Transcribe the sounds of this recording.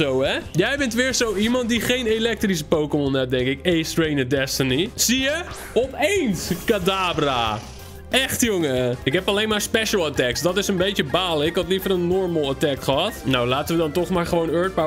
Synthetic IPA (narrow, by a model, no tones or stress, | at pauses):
owɛjɛjbɛntʋɪːɹsowimɑnt̚diχejnelɛk̚tris̬əpowkəmɔnɛp̚dɛŋkɪkejstrejnədɛstənisijə | ɔpejnskadaːbra | ɛxtjoŋəɪkɦɛpɑlejnmaːɹspɛʃəl̩ˠatɛksdɔtɪsənbejtjəbaːləɪkɑtlifəɾənːɔɹməlˠatɛk̚tχəɦɑtnawlaːtəʋədɔntɔχmaːɹχəʋownøɹt̚ba